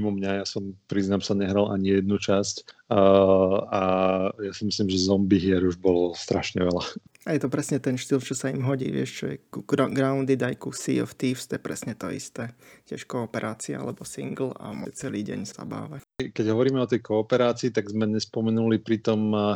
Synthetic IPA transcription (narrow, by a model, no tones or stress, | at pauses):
imɔmɲajasɔmpɾiznamsaɲɛɦɾalʔaɲijɛd̪̚nut͡ʃasc | ajasimislimʒɛzɔmbiɦɪɛɾuʒbɔlɔst̪ɾaʃɲɛʋɛlaajɛt̪ɔpɾɛsɲɛt̪ɛnʃt̪ilt͡ʃɔsaimɦɔɟḭːʋɪɛ̰ʃt͡ʃɔjɛ̰kuɡɾaund̪id̪ajkusḭɔ̰ft̪iːfst̪jɛpɾɛsɲɛt̪ɔ̰ḭst̪ɛːcɪɛʃkɔːpɛɾʔaːt͡sia̰a̰lɛbɔsḭŋɡl̩a̰mɔ̰t͡sɛliːɟɛ̰ɲsa̰ba̰ːʋacjkɛɟɦɔʋɔɾiːmɛɔt̪ɛjkʰɔːpɛɾaːt͡siːt̪aɡzmɛɲɛspɔmɛnulipɾit̪ɔm